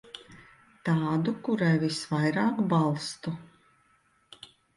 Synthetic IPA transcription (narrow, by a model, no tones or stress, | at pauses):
t̪ɑːd̪ukuɾajvisvajɾaːkbalˠst̪u